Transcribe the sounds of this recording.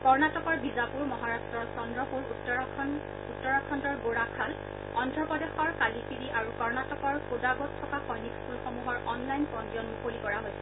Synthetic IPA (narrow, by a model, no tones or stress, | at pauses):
kɔɹnatɔkɔɹbizapuɹmɔɦaɹastɹɔɹsɔndɹɔpuɹt | utːɔɹakʰɔndɔɹɡoɹakʰal | ɔndʱɹɔpɔdexɔɹkalipʰiɹiʔaɹukɔɹnatɔkɔɹpozaɡɔt̚tʰːɔkaxɔjnikpulxomuɦɔɹɔnlajnpɹɔndiɔnmukolikɔɹaɦojsʰɛ̥